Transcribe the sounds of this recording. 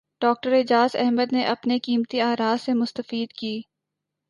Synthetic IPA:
ɖ̥ɔːk̚ʈəɾɪd͡ʒaːzɛ̰ɦməd̪neʔɐpnekiːmt̪iaːɾaːzsemʊst̪əfiːd̪kiː

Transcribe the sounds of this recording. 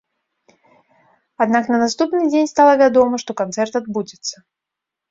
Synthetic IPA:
ad̪naknɐnast̪upnɨd͡zʲenʲst̪alˠɐvʲad̪ɔmɐʂt̪ɔkant̪sɛrt̪ad̪̚bud͡zʲɪt̪sːɐ

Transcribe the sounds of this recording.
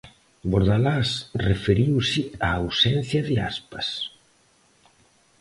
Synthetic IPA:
boɾðalasrefeɾiwsɪaːwsɛn̟θjɐðɪa̰spɐs

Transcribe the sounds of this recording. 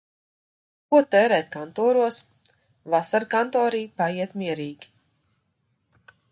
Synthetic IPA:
kuɔt̪ɛːɾɛːt̪̚kant̪ɔːɾuɔs | vasaɾkant̪ɔːɾiːpaiɛt̪miɛɾiːɡʲi̥

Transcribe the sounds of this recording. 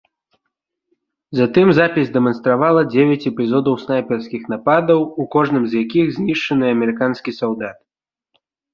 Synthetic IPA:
zat̪ɨmzapʲizʲd̪ɛmɐnst̪ɾavalˠɐd͡zʲevʲat͡sʲɛpʲizɔd̪ɐwsnajpʲɛrskʲixnapad̪ɐwukɔʐnɨmzjakʲiɣzʲnʲiʂt͡ʂɐnɨɐmʲɛɾɨkanskʲisawd̪at̪̚

